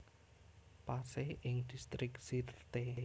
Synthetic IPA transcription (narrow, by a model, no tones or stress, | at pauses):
paseʔɪŋd̪̥ist̪ɾɪksit̪t̪e